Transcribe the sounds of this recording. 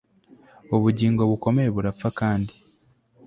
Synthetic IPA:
oβuɟiːŋɡo̞βuko̞meɾeβuɾap͡fakaːndi

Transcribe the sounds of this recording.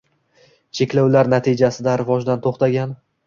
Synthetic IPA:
t͡ʃʰe̞kʲlawlaɾnat̪ʰid͡ʒasɪd̪aɾɪvɒd͡ʒd̪ant̪ʰoχt̪aɡʲan

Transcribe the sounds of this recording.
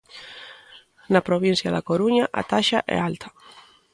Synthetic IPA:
napɾoβin̟θjɐðakoɾuɲaʔa̰t̪aʃaʔɛ̰alt̪ʰɐ̥

